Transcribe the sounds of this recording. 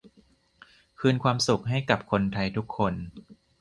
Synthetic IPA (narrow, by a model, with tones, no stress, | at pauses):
kʰɯː˧nkʰwaː˧msu˨˩k̚ɦa˥˩jka˨˩p̚kʰo˧nt̪ʰa˧jt̪ʰu˦˥kʰːo˧n